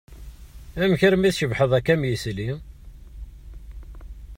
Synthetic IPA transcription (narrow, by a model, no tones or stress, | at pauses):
æmçəɾmiθʃəvħəðˤækæmjisli